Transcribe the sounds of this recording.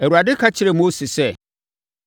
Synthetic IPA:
æ˨u˨ɾa˨dɪ˦kʰa˦t͡ɕʰɪ˦ɾɛ˨mo˦sɪ˨sɛ˦

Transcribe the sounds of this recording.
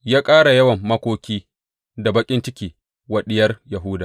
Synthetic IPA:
jaː˦kʼaː˦ɽa˨jɐ˦wɐ˨mːɐ˦kʷoː˦kʲiː˦ | da˨bɐ˦kʲʼɪ˦nt͡ʃɪ˦kʲiː˨ | wɐ˨ɗɪ˦jɐ˦rjɐ˨ɦʊː˦daː˨

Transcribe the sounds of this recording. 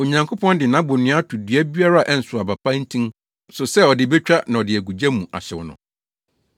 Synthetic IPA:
o˨ɲã˨ŋkʰo˦pʰɔ̃˦ndɪ˨nã˨˦bʊ˨nɪ̃˨˦a˦tʰu˨dɥæ˦bi˦a˦ɾa˦a˨ʔɛ˦n̩˨sʊ˨a˨ba˨pʰã˦n̩˦tʰĩ˦n | sʊ˨sɛ˦ɔ˨dɪ˦be˦t͡ɕᶣa˦nã˨ɔ˨dɪ˨æ˨ɡu˨d͡ʑa˦mũ˨ʔa̰˨ɕɛ˨wʊ˨nʊ̰̃˨

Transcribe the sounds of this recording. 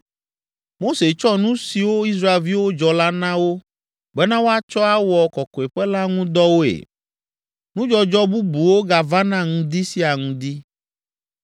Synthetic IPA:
mo˦se˨t͡ʃɔ˦nũ˦si˨wo˦i˦s̬ɾa˦e˨lvi˦wo˦d͡ʒɔ˨la˦nã˦wo˦ | ɡ͡bɛ˦nã˦wo˦a˦t͡ʃɔ˦a˦wɔ˨kɔ˨kɔ˨e˨ɸɛ˦la˦ŋũ˦d̪ɔ˦wo˦ḛ˨ | nũ˦d͡ʒɔ˦d͡ʒɔ˦bu˦bu˨wo˦ɡa˨va˦nã˦˨ŋũ˦d̪i˦si˦a˨ŋũ˦d̪i˦

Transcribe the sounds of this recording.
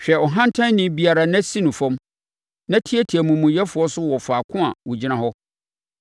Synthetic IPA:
ɕᶣɛ˨ɔ˨ɦã˦n̩˦tʰã˦n˦nĩ˦bi˦a˨ɾa˨nã˦sĩ˦nʊ̃˨fɔ̃˦m | nã˦tʰi˦ɛ˦tʰi˨æ˨mũ˨mũ˨jɛ˦fʊ˨˦ɔ˦sʊ˦wɔ˨faː˨kʰʊ̃˦a̰˨wʊ˨d͡ʑi˦nã˨hɔ˦

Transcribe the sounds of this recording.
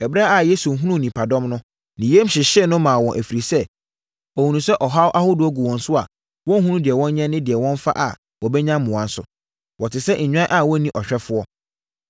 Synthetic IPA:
ɛ˨bɾa˦a˨je˦su˨ɦũ˦nũ˦˨nĩ˨pʰa˨dɔ̃˦mnʊ̃˦ | nɪ̃˨je˦m˦ɕɪ˨ɕɛ˦˨nʊ̃˦mãː˨wɔ̃˨ʔæ˨fi˨ɾi˨sɛ˦ | ɔ˨hũ˨nũ˨sɛ˦ʔɔ˨ɦa˦wʔa˦hʊ˦dʊ˨ɔ˦ɡu˨wɔ̃˨n̩˨sʊ˦a̰˨ | wɔ̃˦n˦ɦũ˦ũ˦dɪ˨ɛ˨wɔ̃˦nɲɛ̃˦nːɪ̃˦dɪ˨ɛ˨wɔ̃˦nfa̰˦ʔa̰˨ | wɔ˨bɛ˦ɲã˦mmʊ̃˨ã˨n˦sʊ̰˨ | wɔ˨tʰɪ˨sɛ˦ɲ̩˨ɲᶣã˦ʔa˦˨wɔ̃˦nĩ˦ʔɔ˨ɕᶣɛ˦fʊ˦ɔ˦

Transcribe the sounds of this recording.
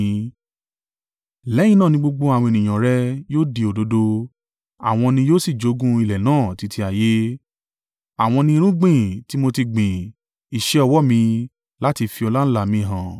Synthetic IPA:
lɛ˨˦j̃ĩ˦˧nãː˦˨nĩ˧ɡ͡bo˧ɡ͡bo˧a˨w̃ɔ̃˧e˨nĩ˨j̃ã˨ɾɛ˦joː˦di˧o˨do˨˦do˧ | a̰˨w̃ɔ̃˧nĩ˧joː˦si˦˨d͡ʒo˨˦ɡũ˦i˧lɛ˨nãː˦˨ti˨˧tʰi˧a˨je˦ | a˨w̃ɔ̃˧nĩ˧i˧ɾ̃ũ˦ɡ͡bĩ˦˨ti˨˦mo˧ti˧ɡ͡bĩ˨ | i˨ʃɛ˦ɔ˧wɔ˦mĩ˧ | la˦ti˧fi˧ɔ˧la˦ñ̩˦la˨mĩ˧ɦã˨

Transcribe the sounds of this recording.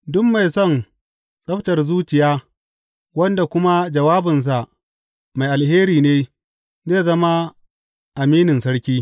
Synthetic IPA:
dʊ˦mːa˨jsɔ˦˨n | sʼɐ˦ɸtɐ˨rzuː˦t͡ʃɪ˨jaː˦ | wɐ˦nda˨kʷʊ˦ma˦d͡ʒɐ˨waː˦bɪ˨ns̬a˨ʔ | ma˨jʔa˨lheː˦ɾiː˨neː˦ | zeː˦˨zɐ˦ma˦ | ʔa˨miː˦nɪ˨nsɐ˦ɽkʲiː˦

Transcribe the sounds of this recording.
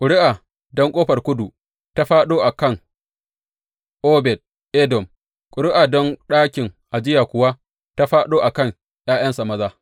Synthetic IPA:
kʷʼʊ˨ɽɪ˦ʔa˨ | dɔ˦ŋkʷʼoː˦ɸɐ˨rkʷʊ˦du˨ | ta˦ɸaː˦ɗoː˦ʔa˨kɐ˦˨ŋ | ʔoː˦bɛ˨t̚ | ʔɛ˦dɔ˨m | kʷʼʊ˨ɽɪ˦ʔa˨dɔ˦ŋɗaː˦kʲɪ˨ŋʔa˨d͡ʒɪ˦jaː˨kʷʊ˨wa˦ | ta˦ɸaː˦ɗoː˦ʔa˨kɐ˦˨ŋ | j̰aː˦jɐ˦nsa˨mɐ˦zaː˦

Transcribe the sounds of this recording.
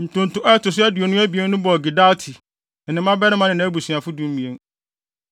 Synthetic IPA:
n̩˨tʊ̃˨n̩˨tʊ̃˦ʔɔ˦ɛ˦tʊ˨s̬ʊ˦æ˦dɥo˨nʊ̃˦æ˦bi˨e˦n˦nʊ̃˦bɔ˨ɡi˨da˦tʰi˨ | n̩˨nɪ̃˨˦mã˦bɛ˦nɪ̃˦mã˦nɪ̃˨nã˨˦æ˦bu˨sɥa˨fʊ˦dũ˦m̩˦mĩ˨e˦ŋ

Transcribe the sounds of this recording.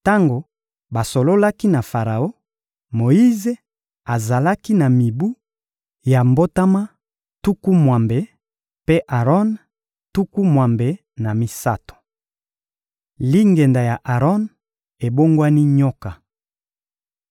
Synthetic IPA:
ta˦ŋɡo˨ | ba˨so˨lo˦la˦ki˦na˨fa˨ʁa˨o˦ | mo˨i˦ze˨ | a˨za˨la˦ki˦na˨mi˨bu˦ | ja˨mbo˦ta˦ma˦ | tu˦ku˦mwa˨mbe˨ | pe˦ʔa˨ʁɔ˦n | tu˦ku˦mwa˨mbe˨ | na˨mi˨sa˦to̥˨ | li˦ŋɡe˨nda˨ja˨ʔa˨ʁɔ˦n | e˨bo˦ŋɡwa˦ni˦ɲɔ˦ka˨

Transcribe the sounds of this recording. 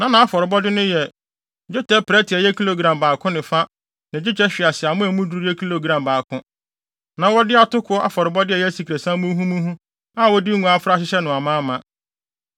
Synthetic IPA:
nã˦nã˨a˦fɔ˨ɾɪ˨bɔ˦dɪ˦nʊ̃˦jɛ˨ | d͡ʑʊ˦tʰɛ˦pɾɛ˦tʰɪ˨ɛ˨jɛ˦kʰi˦lo˨ɡɾã˨mbaː˨kʰʊ̃˦nɪ̃˨fa˦ | nɪ̃˨d͡ʑᶣɪ˦t͡ɕʰɛ˦ɕᶣɪ˨a˨sɪ˨a˨mʊ̃˦ɛ˨mũ˦du˦ɾu˦ɛ˦kʰi˦lo˨ɡɾã˨mbaː˨kʰʊ̃˦ | nã˨wɔ˦dɪ˦a˨tʊ˦kʰʊ˦ɔ˦ʔa̰˦fɔ˨ɾɪ˨bɔ˦dɪ˦ɛ˨jɛ˦si˨kʰɾe˨sã˦mũ˦ɦũ˦mũ˦ɦũ˦ | a˦wɔ˦di˦ŋũ˨a˦fɾa˦ɕ̬ɪ˦ɕɛ˦nʊ̃˨a˨mã˦mã˨

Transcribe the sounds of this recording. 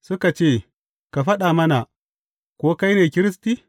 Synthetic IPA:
su˦ka˨t͡ʃeː˦˨ | ka˨ɸɐ˦ɗa˨mɐ˦na˨ | kʷo˦ka˦jneː˨kʲɪ˦ɾi˦sti˦

